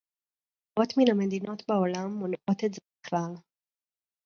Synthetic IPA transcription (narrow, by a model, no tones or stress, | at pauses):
ʔo̞tminamedino̞tbaolamːonʔo̞t̪etzebiχlal